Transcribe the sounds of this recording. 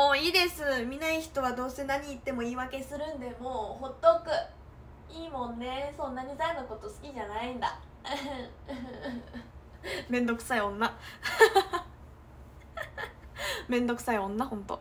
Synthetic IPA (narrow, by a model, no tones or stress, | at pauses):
moːiːd̪e̞sɨmʲinaiçi̥t̪o̞βad̪o̞ːse̞naɲ̟iːt̪ːe̞mo̞iːβake̞sɨɾɯ̟̃nd̪e̞moːho̞t̪ːokɯ̟ | iːmõ̞nːe̞sõ̞nːaɲ̟izanako̞t̪o̞sɨ̥kʲiʑanaĩnd̪a̰ | ɯ̃ | mẽ̞nd̪o̞kɯ̟̥saiõ̞nːa | mẽ̞nd̪o̞kɯ̟̥saiõ̞nːahõ̞nt̪o̞̰